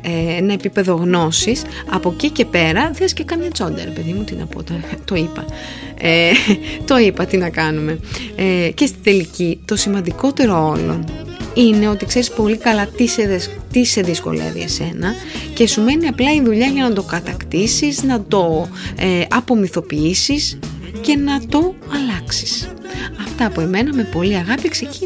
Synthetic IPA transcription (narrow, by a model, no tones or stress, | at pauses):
enɐe̞pipe̞ðo̞ɣno̞sis | ɐpo̞cice̞pe̞ɾɐðeɐscekɐmɲɐt͡so̞nd̪ɐ̰ɾepeðimut̪inɐ̰po̰t̪ɐt̪o̞ipɐ | et̪o̞ipɐt̪inɐkɐnume̞ | ce̞st̪i̥d̪e̞licit̪o̞simɐnd̪iko̞t̪e̞ɾoolo̰ | ine̞o̞t̪ikse̞ɾispo̞likɐlɐt̪iseðet̪ise̞ðisko̞̰lḛvḭḛse̞nɐ | ce̞sume̞niɐplɐiðuʎɐʝɐnɐd̪o̞kɐt̪ɐkt̪isiznɐd̪o̞eɐpo̞miθo̞piisis | ce̞nɐt̪o̞ | ɐlɐksi̥s | ɐft̪ɐpoeme̞nɐme̞po̞liɐɣɐpikse̞ci